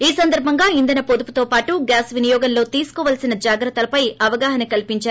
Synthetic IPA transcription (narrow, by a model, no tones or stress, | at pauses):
iːsɐnd̪ɐɾbʱɐŋɡaːind̪ɐnɐpod̪uput̪oːpaːʈuɡaːsʋinijɔːɡɐnlo̞ːt̪iːsu̥kɔːʋaːlsinɐd͡ʒaːɡɾɐt̪ːɐlɐpɐjɐʋɐɡaːɦɐnɐkɐlipiɲt͡ʃaːɾuu